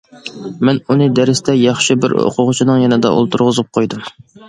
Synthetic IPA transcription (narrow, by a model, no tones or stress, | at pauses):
mɛnunɨd̪ɛɾɪst̪ʰɛjɑχʃibɪɾo̰qʰʊʁʊt͡ʃʰinɨŋjɛnɪd̪ɛ̰ʔo̰lˠt̪ʰuɾʁʊzɨp̚qʰojd̪um